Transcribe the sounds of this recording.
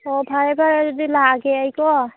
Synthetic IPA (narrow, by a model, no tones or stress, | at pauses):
ɔbʱaɹɛbʱaɹɛzɔdilaɡɛajkɔ